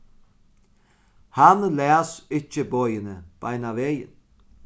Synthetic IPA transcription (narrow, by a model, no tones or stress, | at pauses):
hanlɛːsɪcːɪboːjɪnəb̥ajnaveːjɪ̰n